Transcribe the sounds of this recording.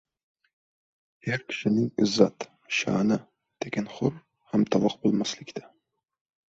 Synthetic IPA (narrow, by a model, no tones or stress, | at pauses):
heɾkʲʰɪ̥ʃɪnɪŋɪzːat̪ | ʃɑ̰ːnɪ | d̪̥eɡʲanχʊɾ | hamt̪ʰɑvɑqbolˠmaslɪkʲt̪ʰḁ